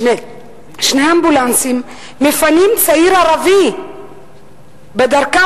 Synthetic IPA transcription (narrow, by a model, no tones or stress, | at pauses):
ne | ʃinaambulansim | mefanimd̪isaiɾaɾavi | bad̪aɾka